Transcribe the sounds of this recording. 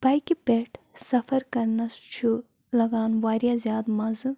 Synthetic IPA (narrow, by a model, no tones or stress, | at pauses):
b̥ɐːjkipeːʈʰ | sɐfɐɾkɐɾnɐst͡ʃʰu | lɐɡaːnʋaːɾʲjaːzjaːd̪mɐzɨ